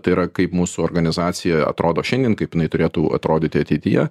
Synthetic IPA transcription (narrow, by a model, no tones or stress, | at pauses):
t̪ɐɪɾɐkɐɪpmuːsuoːrɡɐnʲɪzɑːt̪sʲɪjɛɐ̰t̪ɾoːd̪oːʃʲɛnʲd̪ʲiɛnkɐɪpjɪnɐɪt̪ʊɾʲeːt̪uɐ̰t̪ɾoːd̪ʲiːt̪ʲɪɐt̪ʲɛɪt̪ʲɪjɛ̰